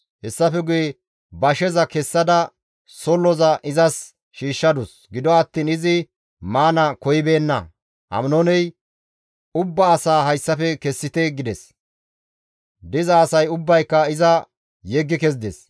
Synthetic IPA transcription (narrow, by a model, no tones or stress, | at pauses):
hɛsːɐfɛɡʊjɛ | bɐʃɛzɐkɛsːɐd̪ɐ | sɔlːɔzɐʔɪzɐs | ʃiːʃːɐd̪ʊs | ɡɪd̪ɔɐt̪ːiːnɪzɪ | maːnɐkɔjɪbe̞ːnːɐ | hɐ̰mnɔnɛj | ʊbːɐːsaːɦɐjsːɐfɛkɛsːɪt̪ɛɡɪd̪ɛs | d̪ɪzɐːsɐjʊbːɐjkːɐɪzɐ | jɛɡːɪkɛzd̪ɛs